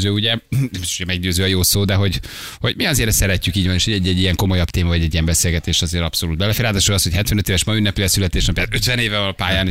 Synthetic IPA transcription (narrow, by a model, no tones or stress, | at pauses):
zøːuɟɛmbit̪oʃoɛmɛɡɟøːzøːɒjoːsoːd̪ɛɦo̞ɟ | ho̞ɟmiɒzeːɾɛsɛɾɛcːykiːɟvɒneːʃhoɟɛɟːɛɟːijɛŋko̞mo̞jɒpt̪eːmɒvɒɟɛɟːijɛmbɛseːlɡɛt̪eːʃɒzeːɾɒpso̞luːd̪̚bɛlɛfeːɾaːd̪aːʃoɡɒsho̞chɛt̪ʋɛnøt̪eːvɛʃmɒynːɛpilɛsylɛt̪eːʃɛpːjat̪øt̪vɛneːvɛɒlpaːjaːn